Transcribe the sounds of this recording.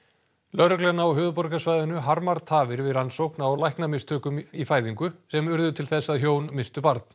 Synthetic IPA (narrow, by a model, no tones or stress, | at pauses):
lœɾʏklɛnːaɔwɦœːðʏpɔɾkasvajðʏnʏɦaɾmaɾt̪ʰaːvɪɾvɪðɾansowhknawlajhknamɪst̪ʰœːkʏmifaːjðiŋkʏsɛmʏɾðʏt̪ʰɪlθɛsːaðçjoːwnmɪst̪ʏpaɾt̪̚n̥